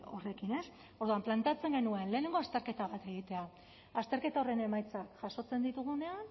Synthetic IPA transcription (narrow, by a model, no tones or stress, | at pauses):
o̰re̞kine̞s | o̞ɾð̞uamplant̪eat͡se̞ŋɡe̞nue̞nle̞ːneŋɡo̞ast̪e̞ɾke̞t̪aβ̞at̪e̞ɣ̞it̪e̞a | ast̪eɾke̞t̪ao̞re̞ne̞majt͡sakʝaso̞t͡se̞nd̪it̪uɣ̞une̞an